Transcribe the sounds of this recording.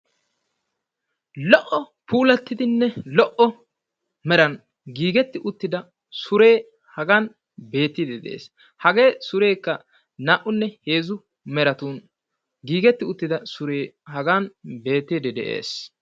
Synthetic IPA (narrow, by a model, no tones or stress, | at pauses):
lɔʔɔ | puːlɐt̪ːɪd̪ɪnːɛlɔʔɔ | mɛɾɐn | ɡiːɡɛt̪ːɪʔʊt̪ːɪd̪ɐ | sʊɾe̞ː | hɐɡan | be̞ːt̪ːɪd̪ɛd̪ḛːs | hɐɡe̞ːsʊɾe̞ːkːɐ | naːʔʊnːɛhe̞ːzʊ | mɛɾɐt̪uːn | ɡiːɡɛt̪ːɪʊt̪ːɪd̪ɐsʊɾeːhɐɡanbe̞ːt̪ːɪd̪ɛd̪ɛ̰ʔe̞̰ːs